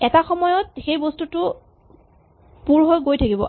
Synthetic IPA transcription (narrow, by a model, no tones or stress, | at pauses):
ɛtaxɔmɔjɔtxejbɔstutʊ | puɹɦojɡojtʰakibɔ̰